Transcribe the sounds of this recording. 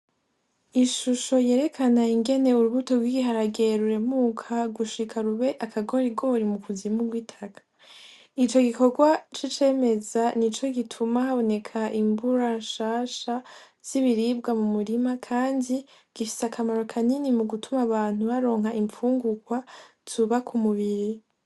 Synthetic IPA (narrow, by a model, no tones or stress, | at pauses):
iʃuʃo̞je̞ːɾe̞kʰanaiŋɡe̞ne̞uɾuβuto̞ɾɡwiɡiɦaɾaɡe̞ɾuɾe̞muːkʰaɡuʃikʰaɾuβe̞ʔakʰaɡo̞ːɾiɡo̞ɾimukuzimuɡwiːtʰakḁ | it͡ʃo̞ɡiko̞ɡwat͡ʃit͡ʃe̞ːme̞zanit͡ʃo̞ɡitʰumahaβo̞ne̞kʰaʔimbuɾaʃaːʃa | z̥iβiɾibɡamumuɾimakʰaːndi | ɡ̥ifi̥seakʰamaɾo̞kʰaninimuɡutʰumaβaːn̥huβaɾo̞ːŋɦaʔiɱfuːŋɡukwa | zuβakʰumuβiɾi